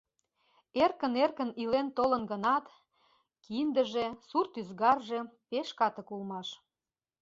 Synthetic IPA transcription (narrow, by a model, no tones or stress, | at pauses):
erkə̆nerkə̆nilent̪olənɡənɑt̪ | kind̪ə̆ʒe̽surt̪yzɣɑrʒepeʃkɑt̪ə̆kulmɑʃ